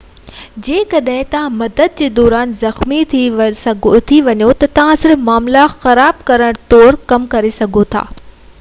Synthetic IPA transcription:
d͡ʑeːkɐɗɦɪ̃t̪ɐʋ̤ãmɐd̪əd̪̚d͡ʑeːd̪ɔːɾaːnzɐxmit̪ʰsɐt̪ʰiʋɐɲot̪ɐt̪ɐʋ̤ãsɪɾfmaːmlaxɐɾaːb̚kɐɾəɽ̃t̪ɔːɾkɐmkɐɾesɐɡʱot̪ʰa̰ː

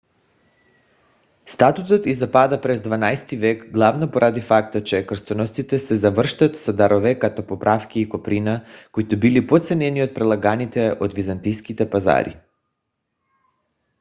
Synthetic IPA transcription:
st̪at̪ut̪ot̪izapad̪apɾɛzd̪vanajst̪ivɛkɡlˠavnɔpoɾʔad̪ifakt̪at͡ʃɛkr̩st̪ɔnɔst̪sit̪ɛsɛzavr̩ʃt̪at̪sad̪aɾɔvɛkat̪ɔpopɾʔafkʲiːkopɾinakoit̪ɔbilipot̪sɛnɛniot̪̚pɾɛlˠaɡanit̪ɛʔod̪vizant̪ijskit̪ɛpaza̰ɾḭ

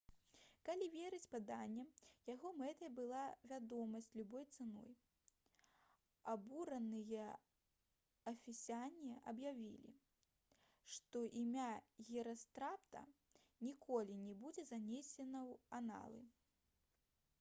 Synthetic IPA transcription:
kalʲivʲeɾɨt͡sʲpad̪anʲːɛjaɣɔmɛt̪ɐjɐbɨlˠavʲad̪ɔmɐsʲt͡sʲlʲubɔjt̪sɨnɔ̰j | abuɾɐnɨjɐ | ɐfʲisʲianʲiɐʔɐbjavʲḭlʲḭ | ʂt̪ɔʔimʲaɣʲɛɾɐst̪ɾapt̪ɐ̰ | nʲikɔlʲinʲɛbud͡zʲɛzanʲesʲɛnɐwana̰lˠɨ̰

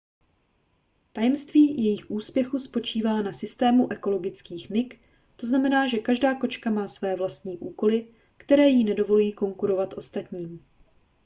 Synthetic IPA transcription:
t̪ajɛmst̪viːjɛjɪxʔuːspjɛxuspo̞t͡ʃiːvaːnasɪst̪ɛːmuʔɛko̞lo̞ɡɪt͡skiːxnɪk | t̪o̞znamɛnaːʒɛkaʒdaːko̞t͡ʃkamaːsvɛːvlast̪ɲiːʔuːko̞lɪ | kt̪ɛɾɛːjinɛdo̞vo̞lujiːko̞ŋkuɾo̞vat̪ʔo̞st̪at̪ɲiːm

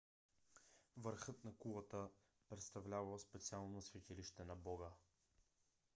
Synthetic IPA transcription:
vəɾxɤt̪nɐkulˠət̪ə | pɾɛt̪st̪ɐvlʲavɐlˠspɛt̪sialˠnosvɛk̪ʲɛliʃt̪ɛnɐbɔɡə

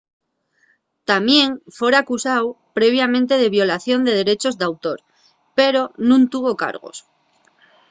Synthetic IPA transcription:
t̪amje̞ŋfwe̞ɾakusaw | pɾe̞β̞jamẽnt̪e̞ð̞e̞βjo̞laθjo̞nd̪e̞ð̞e̞ɾe̞t͡ʃo̞zðawt̪o̞ɾ | peɾo̞nũnt̪uβ̞o̞ka̰ɾɣ̞o̰s

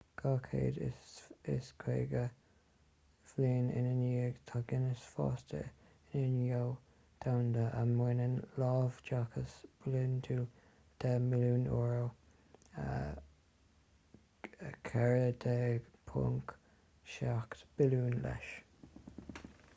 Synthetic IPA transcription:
ɡ̥ɑkʰḛːd̪ɪɪskʰɾḛːɡə | v̥liːnɪ̰nəniːɡt̪ʰaɡɪnəsfɔ̰stə̰ | ɪnənjow | d̪̥awnd̪əʔəmwɪnənlɑːvd͡ʒakʰəsb̥lɪntʰu | d̪̥ɛmɪluːnɔːɹo | kʰɛɹəd̪ɛɡpʰʊ̰ŋk | ʃaktb̥ɪluːnlɛ̰ʃ

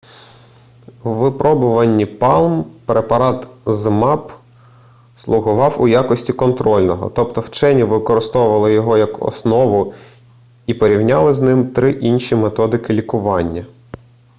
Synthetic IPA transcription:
ʋɪpɾɔbʊʋɐnʲːipɑlˠmpɾepɐɾɑt̪zmɑp | slˠʊɦʊʋɑwʊjakɔsʲtʲikɔnt̪ɾɔlʲnɔɦɔ̰t̪ɔp̚t̪ɔwt͡ʃɛnʲiʋɪkɔɾɪst̪ɔʊʋɐlˠɪjɔɦɔjɐkɔ̰snɔʋʊ | ipɔɾʲiwnʲalˠɪznɪmt̪ɾɪʔinʲʃʲimet̪ɔd̪ɪkɪlʲikʊʋɑnʲːɐ

